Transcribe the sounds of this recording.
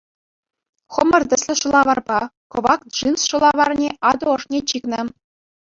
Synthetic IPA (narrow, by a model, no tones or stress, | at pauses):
χɤ̆mɤ̆rd̪ʲɘ̆sʲlʲɘ̆ʂŭlˠɑʋɑrbɑkɤ̆ʋɑk̚ʐɯnsʃŭlˠɑʋɑrnʲeʔɑd̪ŏŏʂnʲet͡ɕiknɤə̆